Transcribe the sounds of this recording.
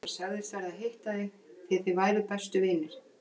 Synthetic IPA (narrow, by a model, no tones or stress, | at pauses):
ḁsaɣðɪsθaɾðaðɦejht̪aðɪ | θɪθɪvaːjɾʏpɛst̪ʏvɪjnɪɾ̥